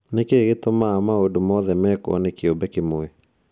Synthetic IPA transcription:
nekeɡet̪omamaodomɔðɛmɛkɔ̰nekɪobɛkɪmoe

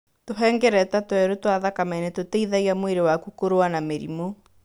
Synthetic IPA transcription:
toɦɛːŋɡɛɾɛtatwɛɾotowaðakamɛnetoteiðaiamweɾewakukoɾoanameɾḭmo

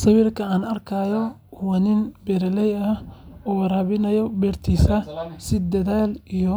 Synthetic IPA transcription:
sɐwiːrkʰɐaːnɐrkʰaːjɔ | wɐnɪnbɛɾɛlɛjɐhɔːwɐɾɐːβɪnɐjɔbɛːrt̪ʰiːsɐsɪd̪ɐðaːlijɔ

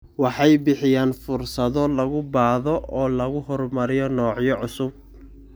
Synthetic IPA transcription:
wɑħɑjbɪħɪjaːnfʊrsɐðɔlɐɣʊbaːðɔʔɔːlɐɣʊɦɔrmɐɾɪjɔnɔːʕjɔʕʊsʊb̚

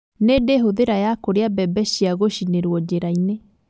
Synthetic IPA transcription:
nedeɦoðeɾajakoɾeabɛbɛɕiaɣoɕineɾwɔd͡ʑeɾaine

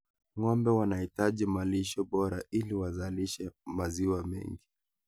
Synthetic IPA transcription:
ŋɔmbɛwanahitaʄimaliʃɔɓɔɾailiwazaliʃɛmaziwamɛ̰ŋɡi

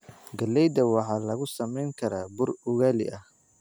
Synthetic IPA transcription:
ɡɐlːɛjd̪ɐwɑħɑːlɐɣʊsɐmɛjŋkʰɐɾaːbʊrʊɣaːlɪ̰ʔɐh

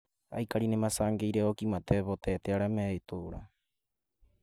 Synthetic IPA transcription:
a̰jkaɾinemasaŋɡejɾeokimat̪eβot̪et̪eaɾameit̪uɾa̰

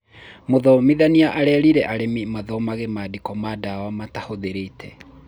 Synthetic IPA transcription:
moðɔmiðaniaʔaɾɛɾiɾɛʔaɾemimaðɔmaɣemadikɔmadawamatahoðeɾetʰɛ

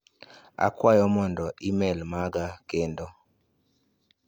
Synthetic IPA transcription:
a̰kwajɔmɔndɔʔimɛlmaɡakendo

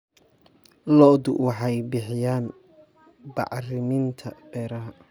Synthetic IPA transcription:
lɔʔd̪ʊ̰wɑħɑjbɪħɪjaːn | bɑ̰ʕrɪmɪnt̪ʰɐb̥ɛːɾɐɦɐ

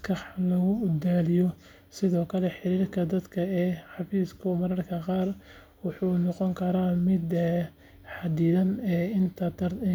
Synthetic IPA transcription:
kʰɐħlɐɣʊd̪aːlɪjɔ | sɪðɔːkʰɐlɛħɪɾiːrkʰɐd̪ɐd̪kʰɐɛːħɑfiːskʰʊmɐɾɐrkʰɐqɑːr | wɑħuːnɔqɔŋkʰɐɾamɪd̪ | ħɑd̪ɪðɐnɛːɪnt̪ʰɐd̪ɐr

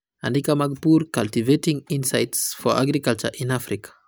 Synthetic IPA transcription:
ã̰ndikamaɡpuɾkaltivetĩŋĩnsaɪtsfɔʔa̰ɡɾikalt͡ʃə̰ʔĩnafɾikʰḁ

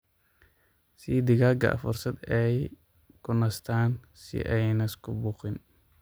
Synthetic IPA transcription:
sid̪ɪɣaːɡɐ̰ʔɐ̰fʊrsɐd̪ɛj | kʰʊnɐst̪ʰaːn | sɪ̰ʔɛjnɐɪskʰʊbʊːqɪn

